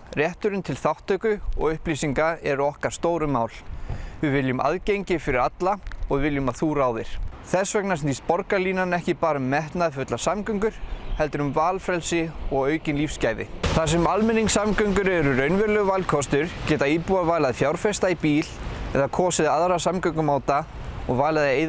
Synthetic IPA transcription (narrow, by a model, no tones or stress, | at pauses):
rjɛht̪ʏɾʏnt̪ʰɪlθawht̪ːœkʏɔ̰ɣʏhpliːsiŋkaɛɾʏɔhkḁst̪oːwɾʏmaːwlvɪvɪljʏmʔa̰ðcejɲcɪfɪɾɪɾat̪laɔɣvɪljʏmaðθuːɾaːwðɪɾ̥θɛsvœknasɪnt̪ispɔɾkaliːnanɛhcɪpaːɾʏmːɛht̪naðfʏt̪lasamkʏŋkʏɾ̥hɛlt̪ʏɾʏmvaːlfɾɛlsɪɔɣœːɥcɪnlifscaːjðɪ̰θas̬ɛmalmɛnːiŋsamkœŋkʏɾɛɾʏɾœɥnvɛɾlɛɣvalkʰɔst̪ʏɾ̥cɛːt̪aiːpuavaːjlaðfjawɾfɛst̪aipiːlɛ̰ðakʰɔːsɪðaðɾasamkœŋkʏmaːwt̪a | ɔɣvaːlaðejð